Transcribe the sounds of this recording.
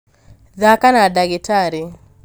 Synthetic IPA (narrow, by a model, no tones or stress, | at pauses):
ðakanadaɡɪtaɾi